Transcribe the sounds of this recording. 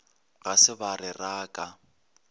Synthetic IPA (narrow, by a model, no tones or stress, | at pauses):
ɣasɪbarɪraːkʼa